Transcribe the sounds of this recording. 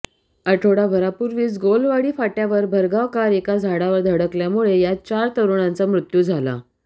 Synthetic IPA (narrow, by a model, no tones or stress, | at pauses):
əʈʰoɽabʱəɾapuɾʋiːsɡolʋaɽiːfaʈjaʋəɾbʱəɾɡaʋkaɾekad͡zʱaɽaʋəɾd̪ʱəɽəkljamuɭejat͡ɕaɾt̪əɾuɳãnt͡samɾut̪juːd͡zʱala̰